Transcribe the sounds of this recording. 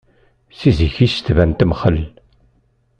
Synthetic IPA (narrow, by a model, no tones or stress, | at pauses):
siziçist̪vænt̪əmχəlː